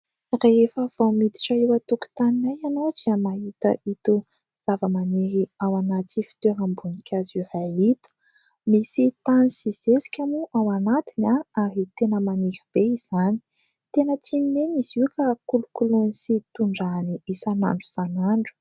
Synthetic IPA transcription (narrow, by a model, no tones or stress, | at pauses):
reefəv̥owmid̪i̥ʈ͡ʂaiwət̪uku̥t̪aninajanowd͡ʒiəmaɦit̪ə̰ʔit̪u | z̥avəmaneɾiawanat͡sifi̥t̪eɾambunikʲʰazirait̪u̥ | misit̪anisiz̥esi̥kʲamuʔawanat̪inaaɾit̪enəmanifib̥eiz̥ani̥ | t̪enət͡sinineniziwkakulukulunisit̪uɳɖ͡ʐaniisana̰ɳɖ͡ʐuz̥anaɳɖ͡ʐu̥